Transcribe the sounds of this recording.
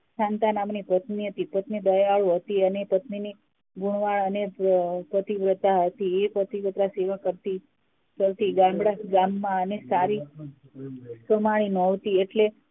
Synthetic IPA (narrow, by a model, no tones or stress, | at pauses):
ʃant̪anamnipət̪niɦət̪ipət̪nid̪əjaɭũɦət̪iənepət̪nini | ɡuɳʋaɭənepɾət̪iʋɾət̪aɦət̪iepɾət̪iʋət̪ɾaseʋakəɾt̪i | kəɾt̪iɡãmbɽaɡamːãənesaɾi | səmaɭinɔʋt̪ieʈle